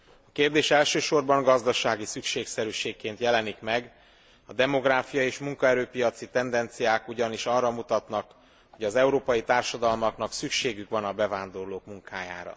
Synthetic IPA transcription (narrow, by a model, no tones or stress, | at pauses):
ɒkeːrd̪eːʃɛlʃøːʃo̞rbɒŋɡɒzd̪ɒʃaːɡisykʃeːksɛɾyːʃeːkːeːnt̪jɛlɛnikmɛɡ | ɒd̪ɛmo̞ɡraːfijɒeːʃmuŋkɒɛɾøːpijɒt̪sit̪ɛnd̪ɛnt̪sijaːkuɟɒniʃɒrːɒmut̪ɒt̪nɒk | ho̞ɟɒzɛuɾoːpɒjit̪aːrʃɒd̪ɒlmɒknɒksykʃeːɡykʋɒnɒbɛvaːnd̪o̞rloːkmuŋkʰaːja̰ːɾɒ̰